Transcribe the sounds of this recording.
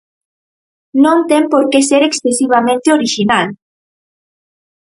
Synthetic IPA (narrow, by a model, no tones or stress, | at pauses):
nõnt̪empoɾkeseɾeksθesiβ̞amẽnt̪eoɾiʒinal